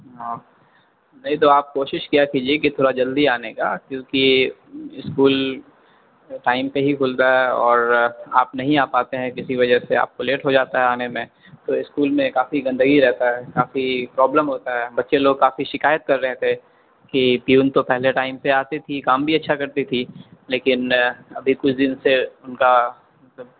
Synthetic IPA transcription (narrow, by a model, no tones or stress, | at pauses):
ɦã | nɐɦĩt̪̬oːaːp̚koːʃɪʃkijakiːd͡ʒiekit̪ʰoːɽad͡ʒɐld̪iaːneka̰ːkjõːki | ɪskuːl | ʈaːɪmpeɦikʰʊːlt̪aɦɛɔːɾa̰ːpnɐɦĩaːpaːt̪eɦɛ̃kɪsiʋɐd͡ʒəɦsea̰ːp̚koleːʈɦod͡ʒaːt̪aɦɛaːnemẽ | t̪oɪskuːlmẽkaːfiɡɐ̃nd̪əɡiɾɛɦt̪aɦɛkaːfipɾɔːbləmɦoːt̪aɦɛːbɐtːʃeloːɡ̚kaːfiʃɪkaːjət̪̚kɐɾːɛɦt̪ʰe | kipiuːnt̪opɛɦleʈaːɪmpeaːt̪it̪ʰikaːmbʱiɐtːʃʰakɐɾt̪it̪ʰileːkɪnɐbʱikʊt͡ʃʰd̪ɪnseʊnka | məb